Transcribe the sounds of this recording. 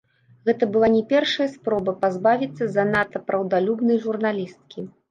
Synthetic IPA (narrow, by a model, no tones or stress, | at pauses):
ɣɛt̪ɐbɨlˠanʲɛpʲɛrʂɐjɐspɾɔbɐpazbavʲit̪sːɐzɐnat̪ɐpɾɐwd̪alʲubnɐjʐurnalʲist̪̚kʲi